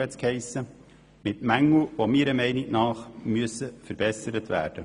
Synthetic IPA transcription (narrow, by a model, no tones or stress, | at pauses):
ɛt͡skhɛɪsə | mɪtmæŋːuʋomiːɾəmɛɪniknɑːχmyəsəfəɾbɛsəɾətʋæ̰ːɾd̥ə